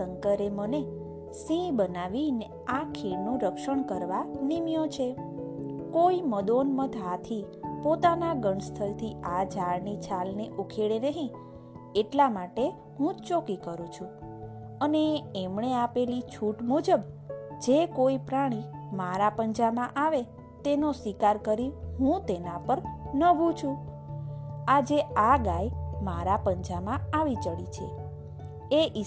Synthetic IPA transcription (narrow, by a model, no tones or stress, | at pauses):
əŋkəɾeməne | sĩbənaʋine | akʰeɽnũɾəkʃəɳkəɾʋanimjõt͡ʃʰe | koiməd̪onməd̪ʱat̪ʰipot̪anaɡəɳst̪ʰəlt̪ʰiad͡ʒʱaɭnit͡ʃʰalneʔukʰeɭenəɦĩ | eʈlamaʈe | ɦũt͡ʃokikəɾũt͡ʃʰũ | əneːmɳeapelit͡ʃʰuʈmud͡ʒəbd͡ʒekoipɾaɽ̃imaɾapənd͡ʒamãʔaʋe | t̪enosʋikaɾkəɾiɦũt̪enãpəɾnəbʱũt͡ʃʰũ | ad͡ʒeaɡajmaɾapəɲd͡ʒamãaʋit͡ʃəɭit͡ʃʰḛ | eʔi